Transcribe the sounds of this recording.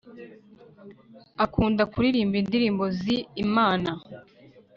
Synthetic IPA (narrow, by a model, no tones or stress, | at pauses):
akuːndakuɾiɾiːmbindiɾiːmbo̞ziːmaːna